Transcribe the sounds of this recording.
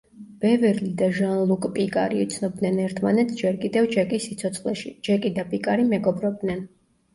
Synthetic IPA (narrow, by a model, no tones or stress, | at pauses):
b̥ɛvɛɾlid̪aʒanlˠukʼpʼikʼa̰ɾiut̪sʰnɔb̚d̪nɛnɛɾt̪ʰmanɛt̪sd͡ʒɛɾkʼid̪ɛvd͡ʒɛkʼisit̪sʰɔt̪sʰχlɛʃid͡ʒɛkʼid̪apʼikʼaɾimɛɡɔbɾɔb̚d̪nɛn